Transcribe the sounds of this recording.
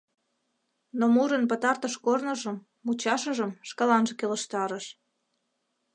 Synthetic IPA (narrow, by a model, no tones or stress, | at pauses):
nomuɾənpət̪ɑrt̪əʃkornəʒəmːut͡ɕɑʃəʒəmʃkɑlɑnʒəkelə̆ʃt̪ɑɾəʃ